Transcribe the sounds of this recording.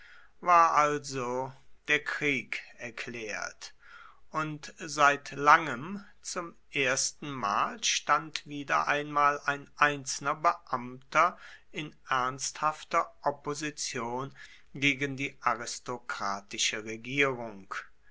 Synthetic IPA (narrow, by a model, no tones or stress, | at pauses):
vaːɐʔalzod̥eːɐkʁ̥iːkɛɐkʰl̥ɛːɐtʔʊntzaɪtlaŋəm | t͡sʊm | ʔeːɐstn̩maːlʃtantv̥iːdɐ̰ʔa̰ɪnmaːlaɪnʔaɪnt͡sl̩nɐbəʔamtʰɐʔɪnʔɛɐnsthaftɐʔɔpozit͡sjoːn | ɡeːɡən̩diːʔaʁɪstokʁ̥aːtɪʃəʁeɡiːʁʊŋk